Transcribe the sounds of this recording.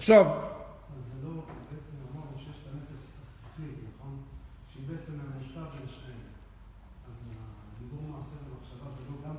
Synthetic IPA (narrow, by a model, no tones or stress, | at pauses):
aχʃav | azelobeet͡semamaʁnuʃejeʃt̪anefestasafinaχon | ʃeibeet͡sememat͡savzʃe | az | nilomaːsedemaχʃavazeloɡam